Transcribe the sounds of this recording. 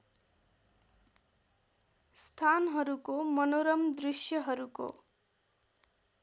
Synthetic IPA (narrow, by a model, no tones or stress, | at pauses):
st̪ʰanɦʌɾukomʌnoɾʌmd̪risjʌɦʌɾuko̰